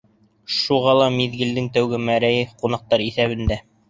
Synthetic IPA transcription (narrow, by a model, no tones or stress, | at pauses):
ʃuʁɑlˠɑmiðɡɘ̆ld̪ɘŋt̪æwɡɘmæɾæjɘqunɑq̚t̪ɑɾiθæβɘ̆nd̪æ